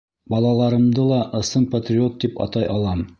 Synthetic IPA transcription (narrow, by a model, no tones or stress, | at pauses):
bɒlˠɑlˠɑɾɤ̆md̪ɤlˠɑʔɤ̆sɤnpɐt̪rʲɪo̞t̪̚d̪ipɑ̰t̪ɑjʔɑlˠɑm